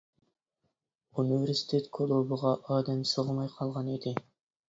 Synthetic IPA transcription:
univeɾsi̥t̪ʰet̪kʰolˠubəʁɑʔɑːd̪ɛmsoʁəmɑjqʰɑlˠʁɑnid̪ɪ

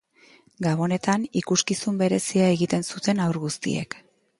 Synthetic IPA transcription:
ɡaβo̞ne̞t̪anikuskisumbe̞ɾe̞siae̞ɣit̪e̞nsut̪e̞nawɾɣust̪ḭe̞̰k

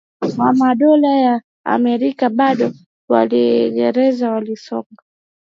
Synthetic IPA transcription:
wamaɗɔlaja | a̰mɛɾikaɓaɗɔ | wa̰liɡɛɾɛzawalisɔŋɡa

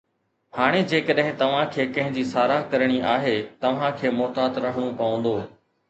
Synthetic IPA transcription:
haːɽ̃ed͡ʑeːkəɗɦɪ̃t̪ɐʋ̤ãkʰeːkɐ̃ɦɪ̃ɲd͡ʑiːsaːɾakɐɾɽ̃iʔaːɦet̪ɐʋ̤ãkʰeːmɔːt̪aːt̪ɾɐɦəɽ̃õpɐʋə̃n̆d̪oː

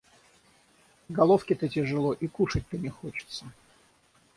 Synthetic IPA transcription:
ɡɐlˠofkʲɪt̪ətʲɪʐɨlˠo̞ʔikuʂət̚ʲt̪ənʲɪxot͡ɕɪ̥t̪sə

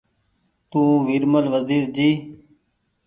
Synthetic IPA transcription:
t̪ũːʋiɾməlʋəziːɾd͡ʒiː

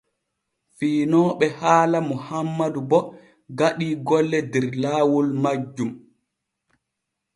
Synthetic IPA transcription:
fiːnɔːɓɛhaːlamuhamːadubɔ | ɡaɗiːɡɔlːɛdɛɾlaːwulmad͡ʒːum

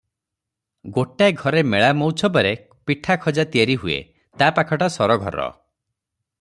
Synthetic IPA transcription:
ɡoʈaɡʱɔɾemeɭamɔwt͡ʃʰɔbaɾe | piʈʰakʰɔd͡ʒat̪ijaɾiɦuḛ | t̪apakʰɔʈasɔɾɔɡʱɔ̰ɾɔ̰

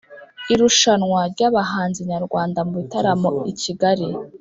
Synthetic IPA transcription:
iɾuʃanŋwaɾɟaːβaɦaːnziɲaɾɡwaːndamuβitaɾamo̞iciɡaɾi

